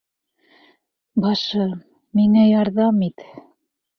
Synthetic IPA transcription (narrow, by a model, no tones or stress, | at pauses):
bɑʃɤ | miŋæjɑɾðɑmit̪